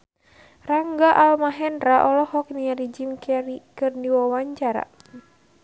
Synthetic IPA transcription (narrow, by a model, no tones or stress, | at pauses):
raŋɡaʔalmaɦɛnɾaʔɔlɔhɔk̚niaɾid͡ʒimkɛɾikɨrniwɔwaɲt͡ʃaɾa̰